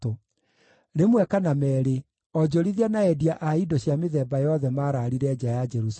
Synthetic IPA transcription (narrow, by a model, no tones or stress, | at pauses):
o | nemwɛkanamɛːɾe | ɔd͡ʑoɾiðianaɛdiaʔaidoɕjameðɛːbajɔðɛmaɾaːɾiɾɛd͡ʑajad͡ʒɛɾus